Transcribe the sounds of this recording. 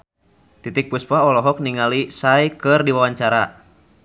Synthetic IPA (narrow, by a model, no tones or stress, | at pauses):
t̪it̪ik̚puspaɔlɔɦɔk̚niŋalisajkɨrdiwawaɲt͡ʃaɾa